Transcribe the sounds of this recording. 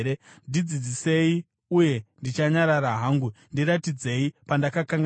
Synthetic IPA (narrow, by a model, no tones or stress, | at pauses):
ɾendid͡zid͡zise̞i | uje̞ndit͡ʃaɲaɾaɾaɦaːŋɡundiɾatid͡ze̞ipandakakaŋɡ